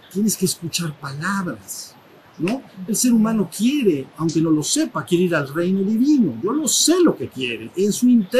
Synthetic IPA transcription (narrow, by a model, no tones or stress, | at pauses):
t̪je̞ne̞skeːskut͡ʃaɾpalaβɾas | no̞else̞ɾumãno̞kje̞ɾe̞awŋke̞no̞lo̞se̞pakje̞ɾeiɾalrejno̞ðiβino̞ʝo̞lo̞se̞lo̞ke̞kje̞ɾḛʔensuint̪e